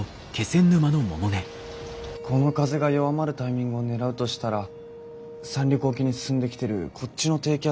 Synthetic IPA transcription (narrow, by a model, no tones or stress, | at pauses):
o | ke̞sẽ̞nːɯ̟manomo̰mone | kʰo̞no̞kazɨɡajo̞βamaɾɯ̟t̪aimʲĩŋɡɯ̟one̞ɾaɯ̟t̪o̞ɕi̥t̪aɾa | sãnʲɾʲokɯokʲiɲ̟isɨ̥sɨ̃nd̪e̞kʲi̥t̪e̞ɾɯ̟kʰo̞t͡ɕt͡ɕino̞t̪e̞ːkʲa